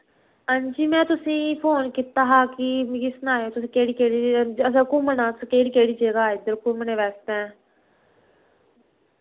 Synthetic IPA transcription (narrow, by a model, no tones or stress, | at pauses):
ənd͡ʒiːmɛ̃ːt̪ʊsĩːpʰoːnkɪt̪aːɦaːkɪmkɪsnaːjoːt̪ʊsĩːkeːɽiːkeːɽiəsəkʊmənãːskeːɽiːkeːɽiːd͡ʒeːɡaːɪd̪əɾkʊməneːʋɛːst̪ɛ̃ː